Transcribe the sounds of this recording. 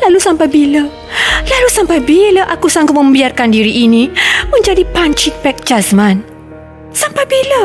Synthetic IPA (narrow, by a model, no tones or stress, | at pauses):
lalusampajbilə | lalusampajbiləʔakusaŋɡʊt̪̚mə̃mbiarkandiɾiʔːnimə̃ɲd͡ʒadipaɲt͡ʃipɛk̚d͡ʒasmãn | sampajbilə